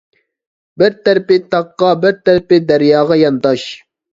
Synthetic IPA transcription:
bɪɾt̪æɾɪpɪt̪ɑqːɑbɪɾt̪æɾpɪd̪æɾjɑːʁɑjɑnt̪ɑʃ

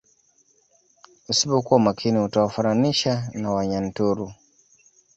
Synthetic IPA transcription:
usipɔkuwamakʰiniutawafananiʃanawaɲan̩tuɾu

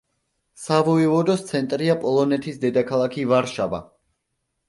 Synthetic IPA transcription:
savɔivɔd̪ɔst̪sʰɛnt̪ʼɾiapʼɔlˠɔnɛt̪ʰisd̪ɛd̪akʰalˠakʰivaɾʃava̰

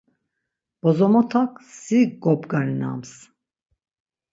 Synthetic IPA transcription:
b̥ɔzɔmɔt̪ʰaksiɡɔpɡaɾna̰ms

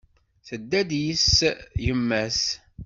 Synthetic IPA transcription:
θəd̪ːæd̪jisjəmːæs

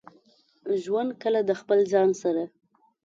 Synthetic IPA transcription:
ʒwand̪̚kəlad̪əxpəlzɑnsaɾa

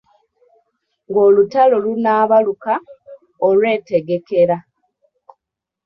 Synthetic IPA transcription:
ŋɡoːlutalo̞lunaːβaluka | olwe̞ːte̞ɡe̞ke̞ɾa

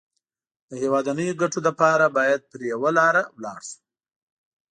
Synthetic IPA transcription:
d̪əhewɑd̪anəjoɡaʈod̪əpɑɾabɑjad̪̚pəɾjawalɑɾawlɑ̰ɽʃu̥

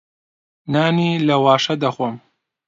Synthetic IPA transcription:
naːniːlɐwaːʃɐd̪ɐxʷom

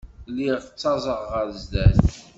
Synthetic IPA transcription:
lːiʁt͡sːɑzˤəʁʁəɾzd̪æθ

